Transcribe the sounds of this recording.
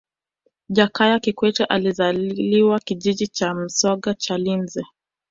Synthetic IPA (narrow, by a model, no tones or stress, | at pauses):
ʄakajakikwɛt͡ʃɛʔalizaliwakiʄiʄit͡ʃam̩sɔɠat͡ʃalinzɛ